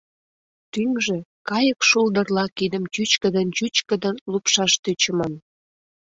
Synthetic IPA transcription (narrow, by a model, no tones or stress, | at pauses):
t̪yŋʒekɑjəkʃuld̪ərlɑkid̪ə̆mt͡ɕyt͡ɕkəd̪ənt͡ɕyt͡ɕkəd̪ənlupʃɑʃt̪øt͡ɕəmən